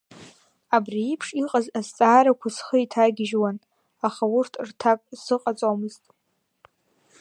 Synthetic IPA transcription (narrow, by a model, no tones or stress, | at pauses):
abriipʰʂiqʼazazt͡sʼaːɾakʷʰasχəitʰaɡʲɪʒwan | aχaʊrtʰrtʰakʷʼsɨqʼat͡sʼamɨztʼ